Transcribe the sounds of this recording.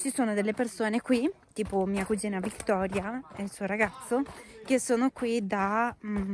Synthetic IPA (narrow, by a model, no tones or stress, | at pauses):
t͡ʃisoːnod̪elːepersoːnekwit̪iːpomiːakud͡ʒiːnavikt̪ɔːɾjaɛilsuːoɾaɡat̪sːok̟esːoːnokwid̪a